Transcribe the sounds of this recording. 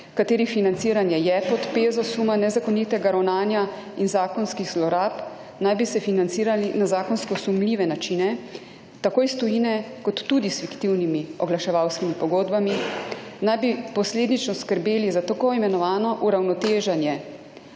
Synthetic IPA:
kat̪eːɾifinant̪siɾanjɛjɛpɔt̪peːzɔsumanɛzakɔnit̪ɛɡaɾɐwnaːnja | inzaːkɔnskixslɔɾaːp | najbisɛfinant̪siːɾalinazaːkɔnskɔsumliːʋɛnat͡ʃinɛ | t̪akoːjst̪ɔjinɛkɔt̪ːud̪isfikt̪iwnimiɔɡlaʃɛʋawskimipɔɡoːd̪baminajbipɔsleːd̪nit͡ʃnɔskəɾbeːlizat̪akoimɛnɔʋaːnɔʔuɾawnɔt̪eːʒanjɛ

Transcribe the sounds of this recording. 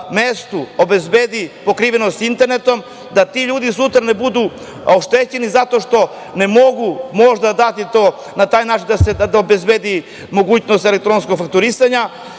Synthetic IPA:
mest̪uobe̞zbeːd̪ipo̞kɾiːʋenost̪int̪eɾnet̪o̞m | d̪at̪iʎuːd̪isut̪ɾane̞bud̪u | oʃt̪et͡ɕe̞nizat̪o̞ʃt̪o̞ | ne̞mo̞ɡumo̞ʒd̪ad̪at̪it̪o | nat̪aːjnaːt͡ʃind̪ased̪obezbed̪i | mo̞ɡuːt͡ɕnost̪elek̚t̪ɾo̞nskoɡfak̚t̪uɾisaɲa

